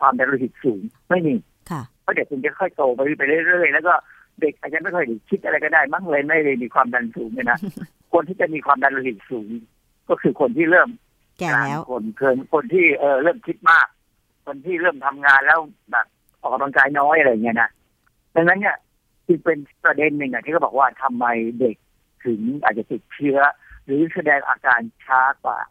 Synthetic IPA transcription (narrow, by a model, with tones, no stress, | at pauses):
kwaː˧mda˧nluː˧˩ɦi˨˩t̪̚suː˩˦ŋma˥˩jmiː˧ | pʰɔ˦˥˩de˨˩k̚kʰo˧ŋt͡ɕa˨˩kʰɔ˥˩jt̪oː˧pa˧jpa˧jɾɯ˥˩˨ɾɯ˥˩əjlɛː˦˥wkɔː˥˩ | de˨˩k̚ʔa˨˩t͡ɕa˧nma˥˩jkʰɔ˥˩jde˨˩kʰi˦˥t̪̚ʔa˧ɾa˧jkɔː˥˩daː˥˩jma˥˩ŋlɤː˧jma˥˩jmiː˧kʰwaː˧mda˧nsuː˩˦ŋlaː˧˥˩na˦˥ | kʰu˧ənt̪ʰiː˥˩t͡ɕa˨˩miː˧kʰwaː˧mda˧nlo˧˩ɦi˨˩t̪̚suː˩˦ŋ | kɔː˥˩kʰɯː˧kʰo˧nt̪ʰiː˥˩ɾɤː˥˩m | aː˨˩kʰo˧nkʰɤː˧nkʰo˧nt̪ʰiː˥˩ʔɤː˨˩ɾɤː˥˩mkʰi˦˥t̪̚maː˥˩k̚ʰː | o˧nt̪ʰiː˥˩ɾɤː˥˩mt̪ʰa˧mŋaː˧nlɛː˦˥w | bɛ̰ː˨˩p̚ | ʔɔː˨˩k̚a˧bla˧ŋkaː˧jnɔː˦˥˩jʔa˧ɾa˧jːa˨˩ŋːi˦˥ɐna˦˥ʔ | da˧ŋna˦˥nːi˥˩ɐ | t͡ɕɯ˧ŋpe˧npɾa˧de˧nːɯ˧˩ŋʔa˨˩t̪ʰiː˥˩kɔː˥˩bɔː˨˩k̚waː˥˩t̪ʰa˧mːa˧jde˨˩k̚ | t̪ʰɯ˩˦ŋʔa̰ː˨˩t̚t͡ɕa˨˩t̪i˨˩t̪̚t͡ɕʰɯ˦˥ɐ | ɾɯː˩˦sa˧dɛː˧ŋʔa̰ː˧kaː˧nt͡ɕʰaː˦˥kwa̰ː˨˩